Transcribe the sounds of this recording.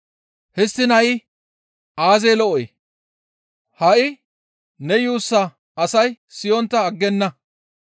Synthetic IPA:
hɛsːɪnɐjɪ | aːzeːlɔʔɔj | hɐʔɪ | nɛjuːsːɐ | ɐsɐj | sɪjɔnt̪ːɐːɡːɛnːɐ

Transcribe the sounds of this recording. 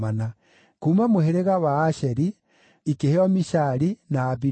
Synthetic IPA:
ana | kuːmamoheɾeɣawaːʃɛɾi | ikeheɔmiʃaɾinaːbi

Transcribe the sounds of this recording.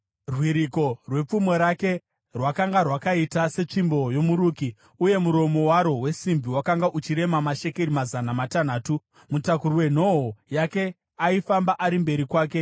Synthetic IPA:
rwiɾiko̞rwe̞p͡fumweɾake̞ | rwakaŋɡarwakaitase̞t͡ʂimbo̞jo̞muɾuːki | uje̞muɾo̞mo̞waɾo̞we̞simbiwakaŋɡaʔut͡ʃiɾe̞mamaʃe̞ke̞ɾimazanamatan̤aːtu | mutakuɾuwe̞n̤o̞ɦojake̞ | aifambaʔaɾimbe̞ɾikwaːke̞

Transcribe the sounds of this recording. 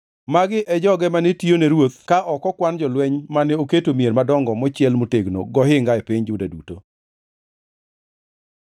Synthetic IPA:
maɡɪʔɛd͡ʒɔɡɛmanɛtionɛɾwot̪kaʔɔkɔkwand͡ʒɔlwɛɲmanɛoketomjeɾmadɔŋɡɔmɔt͡ʃɛlmoteɡno̰ɡɔɦɪŋɡaɛpɪɲd͡ʒʊdadṵto

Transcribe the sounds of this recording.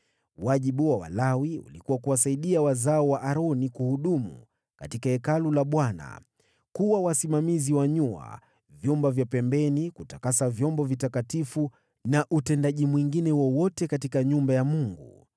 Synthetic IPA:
waʄiɓuwawa̰lawiṵlikuwakuwas̬aiɗiawazaɔwaʔaɾɔnikuhuɗumṵ | katikaɛkalulaɓwana̰ | kuwawasimamiziwaɲua̰ | vjumbavjapɛmbɛnikutakasavjɔmbɔvitakatifu | naʔutɛndaʄimwiŋɡinɛwɔwɔtɛkatikaɲumbajamuŋɡṵ

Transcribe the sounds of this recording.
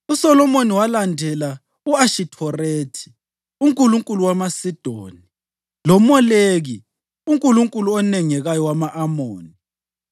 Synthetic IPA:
usɔlɔmoniwalandʱɛla | uaʃitʰɔreːtʰi̥ | uŋkʼuluŋkʼuluwamasid̥ʱo̰ːni | lɔmɔleɣi | uŋkʼuluŋkʼuluɔnɛŋɛɣajɔwamaʔamoːni

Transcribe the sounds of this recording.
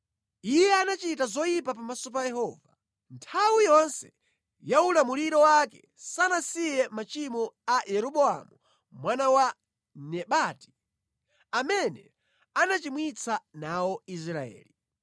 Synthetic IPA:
ijɛanat͡ʃitazɔjipapamasɔp̬ajɛɦɔːva | ntʰawijɔnsɛ | jaulamuliɾɔwakɛ̰ | sanasijɛmat͡ʃimɔajɛɾɔɓɔa̰mu | mwanawa | nɛɓati̥ | amɛnɛ | anat͡ʃimwit͡sʰanaɔis̬ɾaɛ̰ːli

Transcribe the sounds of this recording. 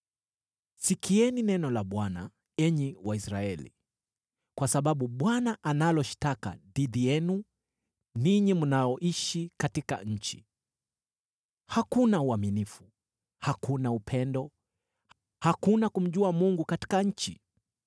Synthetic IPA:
sikiɛninɛnɔlaɓwana̰ | ɛɲiwaisɾaɛlḭ | kwasaɓaɓuɓwanaʔanalɔʃtaka̰ɗiðijɛnu | niɲimunajɔʔiʃikatika̰ɲ̩t͡ʃḭ | hakunauaminifu | hakunaupʰɛndɔ | hakunakum̩ʄuamuŋɡukati̥kaɲ̩t͡ʃḭ

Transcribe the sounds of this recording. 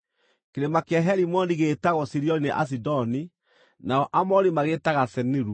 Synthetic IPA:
keɾemakeaɦɛɾimɔndiɣeːtaɣɔsiɾiɔnineʔa̰s̬idɔni | naɔʔamɔɾimaɣetaɣasɛniɾu

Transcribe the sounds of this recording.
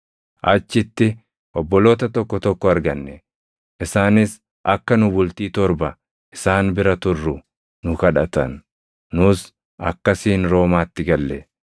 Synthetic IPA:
ʔɐt͡ʃːɪt̪ːɪ | ʔɔbːɔlo̞ːt̪ɐt̪ɔkːɔt̪ɔkːɔɐɾɡɐnːɛ | ʔɪsaːnɪs | ʔɐkːɐnʊbʊlt̪iːt̪ɔɾbɐ | ʔɪsaːnbɪɾɐt̪ʊrːʊ | nʊkɐᶑɐt̪ɐnː | ʊs | ɐ̰kːɐsiːnɾo̞ːmaːt̪ːɪɡɐlːɛ

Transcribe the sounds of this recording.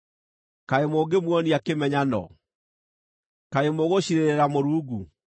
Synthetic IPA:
kaemoːɡemwɔniakemɛɲanɔ̰ | kaemoɣoɕiɾeɾeɾamoɾuːɡu

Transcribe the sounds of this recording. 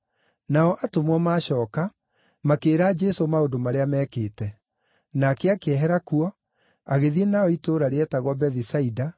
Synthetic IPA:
naɔʔatomwɔmaːɕɔːka | makeːɾad͡ʒesomaondomaɾeamɛːkeːtɛ | nakɛakeɛɦɛɾakuɔ | aɣeðienaɔitoːɾaɾeɛtaɣwɔbɛðisaida

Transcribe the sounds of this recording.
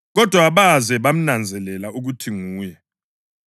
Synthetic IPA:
ɣɔd̥ʱwaβazɛβam̩nand͡zʱɛlɛlauɣutʰiŋuːjɛ

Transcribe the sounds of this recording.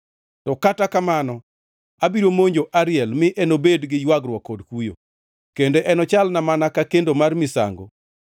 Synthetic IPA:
tɔkatakamanɔ | abiɾomoɲd͡ʒoʔaɾɪɛlmɪʔɛnobedɡɪjwaɡɾwɔkːɔdkujo̰ | kendeʔɛnɔt͡ʃalnamanakakendomarmɪsa̰ŋɡo̰

